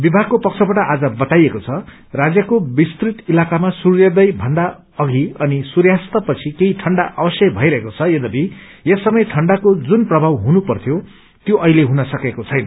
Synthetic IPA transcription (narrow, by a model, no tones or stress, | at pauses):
bibʱaɡ̚kopʌk̚t͡sʰʌbaʈʌʔad͡zʌbʌt̪ajekot͡sʰʌ | rad͡zjʌkobist̪rit̪ilakamasurjʌd̪ʌjbʱʌnd̪a | ʌɡʱiʌnisuɾjast̪ʌpʌt͡sʰikeiʈʰʌɳɖaʔʌbʌsjʌbʱʌjɾʌɦekot͡sʰʌjed̪ʌbʱi | jesʌmʌjʈʰʌɳɖakod͡zunprʌbʱawɦunupʌrt̪ʰjo | t̪joʔʌileɦunʌsʌkekot͡sʰʌjnʌ